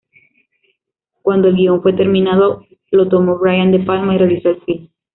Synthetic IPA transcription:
kwand̪o̞e̞lɡioɱfwe̞t̪e̞ɾmĩnaðo̞ | lo̞t̪omo̞βɾajand̪e̞palmairelisoelsin

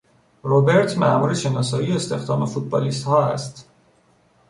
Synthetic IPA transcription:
ɾobe̞ɾt̪ʰmæ̰ʔmuːɾeʃe̞nɒːsɒːjiːeest̪e̞xd̪ɒːme̞fut̪̚bɒːliːst̪hɒːæ̰st̪

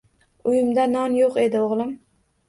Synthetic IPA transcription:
ʊjɪmd̪anɒnjoqe̞d̪ɪoʁlˠɪm

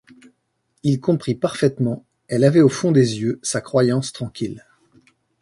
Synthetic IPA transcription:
ilkɔ̃pχipaʁfɛt̪mɑ̃ | ɛlavɛofɔ̃d̪ezjøsakχwajɑ̃st̪χɑ̃kʲil

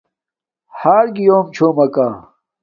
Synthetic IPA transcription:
haːɾɡijoːmt͡ɕʰoːmɐkaː

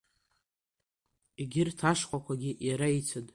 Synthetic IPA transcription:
iɡʲɪrtʰaʂqʷʼakʷaɡʲiʔjaɾait͡sʰatʼ

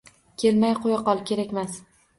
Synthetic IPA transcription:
kʲʰe̞lmajqʰojaqɒlˠkʲʰe̞ɾakʲmas

